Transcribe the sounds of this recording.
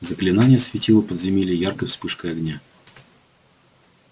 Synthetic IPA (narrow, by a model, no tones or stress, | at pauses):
zəklʲɪnanʲɪjəsvʲɪtʲilˠəpəd̪zʲɪmʲelʲɪjarkəjfspɨʂkəjɐɡnʲa